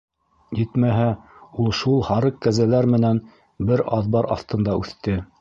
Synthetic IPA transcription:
jɘt̪mæɦæulˠʃulˠhɑɾɤqkːæzælæɾmɘ̆næn | bɘɾɑðbɑɾʔɑ̰θt̪ɤ̆nd̪ɑʉθt̪ɘ

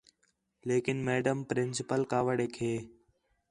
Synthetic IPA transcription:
leːkɪnmeːɖəmpɾɪ̃nsɪpəlkaːʋəɽeːkʰeː

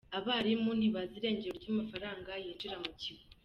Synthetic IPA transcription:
aβaːɾimuniβaziɾe̞ːɲɟeɾo̞ɾɟamafaɾaːŋɡajiːnd͡ʒiɾamuciβ

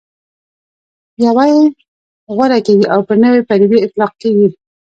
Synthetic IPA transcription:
bjawaji | ɣwaɾakeɡiʔawpənəwepaɾibeɪt̪lɑq̚keɡi

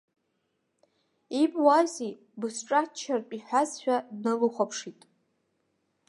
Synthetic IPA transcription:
ibwazi | bɨsʈ͡ʂʼat͡ʃʰarpʼiħʷᶣazʃʷᶣadnɨlɨχʷapʰʂitʼ

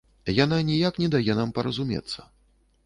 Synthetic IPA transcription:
jan̪anʲijaknʲɛd̪ajɛnampɐɾɐzumʲɛ̰t̪sːɐ̥

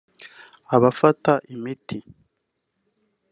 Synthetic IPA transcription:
aβafataʔimitʰi

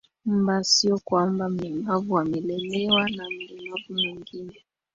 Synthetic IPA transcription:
m̩basiɔkwambam̩ɛmavuamɛlɛlɛwanam̩lɛmavumiŋɡinɛ

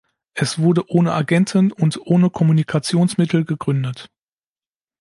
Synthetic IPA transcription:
ʔɛsv̥ʊɐdəʔoːnəʔaɡɛntʰn̩ʊntʔoːnəkʰɔmunikʰat͡sjoːnsmɪtʰl̩ɡəɡʁʏndət

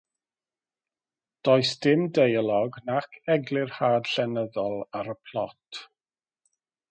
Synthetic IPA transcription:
d̥oːɨsd̥ɪmdejlˠɔɡnakʰɛɡlɪrhaːd̥ɬɛnəðɔlˠaɾəpʰlˠɔtʰ

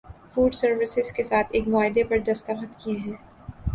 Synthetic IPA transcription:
fuːɖsɐɾʋɪsɪz̥kesaːt̪ʰeːkmʊaːɦɪd̪epɐɾd̪ɐst̪əxət̪kiẽɦɛ̃ː

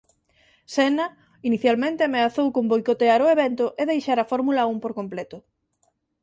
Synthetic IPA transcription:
sɛnɐ | iniθjalmẽnt̪ɪameaθowkõmbojkot̪eaɾʊeβɛnt̪ʊʔeðejʃaɾɐfɔɾmulɐumpoɾkomplɛt̪ʊ

